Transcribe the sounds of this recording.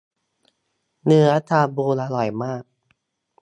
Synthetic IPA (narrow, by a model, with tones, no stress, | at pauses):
nɯ˩˦ɐ˦ʔa˦˥t̪ʰaː˧buː˧laː˧lɔ˨˩jmaː˥˩k̚